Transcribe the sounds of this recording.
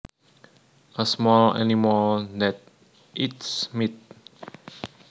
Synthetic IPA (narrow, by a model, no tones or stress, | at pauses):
ʔəsmɔla̰niməld̪ɛt̪̚ | ʔitsmit̪̚